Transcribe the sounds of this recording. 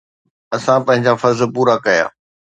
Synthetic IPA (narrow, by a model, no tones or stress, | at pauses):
ɐsãpɐ̃ɦɪ̃ɲd͡ʑafɐɾzpuːɾakɐja̰ː